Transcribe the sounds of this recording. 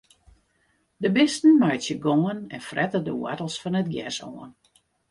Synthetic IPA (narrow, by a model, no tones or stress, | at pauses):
dəbɪstn̩majtjəɡoːənɛnfrɛtədəwa̰təl̩ˠsfɔnət̚ɡjɛ̰so̰ən